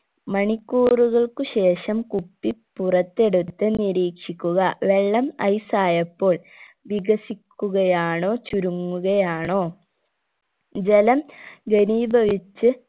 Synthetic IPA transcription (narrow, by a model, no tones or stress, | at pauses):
mɐɳikːuːruɣɐɭkuɕe̞ːʂɐmkupːipurɐt̪ːe̞ɽut̪ːɨniɾiːkʂikʲːuɣɐʋeɭːɐmɐ̰jsaːjɐpːo̞ːɭ | ʋiɡɐsikʲːuɣɐjaːɳo̞ːt͡ɕuɾuŋːuɣɐjaːɳo̞ː | d͡ʑelɐmɡeniːbʱɐʋit͡ɕːɨ